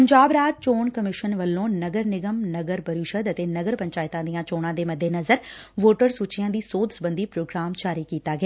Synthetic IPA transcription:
əɲd͡ʒaːbɾaːd͡ʒ̚t͡ʃoːɳkəmɪʃənʋəlːõːnəɡəɾnɪɡəmnəɡəɾpəɾɪʃəd̪ət̪eːnɐɡəɾpə̃ɲt͡ʃaːɪt̪ãːd̪ijãːt͡ʃoːɽ̃ãːd̪eːmɐd̪ʱːeːnɐzəɾ | ʋoːʈəɾsuːt͡ʃijãːd̪iːsoːd̪sbə̃nd̪iːpɾoːɡɾaːmd͡ʒaːɾiːkiːt̪aːɡaː

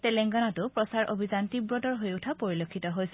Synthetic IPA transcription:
telɛŋɡanatʊpɹɔsaɹʔobʱizantibɹodɔɹɦojutʰapoɹilokʰːitɔɦojsɛ

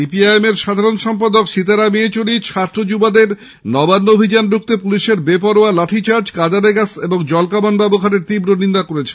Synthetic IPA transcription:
ipiajemeɾʃad̪ʱaɾonʃɔmpad̪okʃit̪aɾamiet͡ɕoɽit͡ɕʰat̪ːɾod͡ʑubad̪eɾ | nɔbanːoobʱid͡ʑanɾuk̚t̪epuliʃeɾbepɔɾoalaʈʰit͡ɕaɾd͡ʑkad͡ʑaɾeɡaseboŋd͡ʑɔlkamanbɛbokaneɾt̪ibɾonind̪akoɾet͡ɕʰe

